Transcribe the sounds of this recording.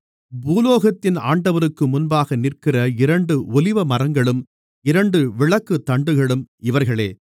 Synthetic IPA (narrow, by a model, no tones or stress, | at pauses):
buːloːɣɐt̪ːɪna̰ːɳɖɐʋɐɾɯkːɯmʊnbaːɣɐnɪrkɪrɐɪɾɐɳɖɯʔɔlɪʋɐmɐrɐŋɡɐɭɯm | ɪɾɐɳɖɯʋɪɭɐkːɯt̪ːɐɳɖɯɣɐɭɯmɪʋɐɾɣɐɭeː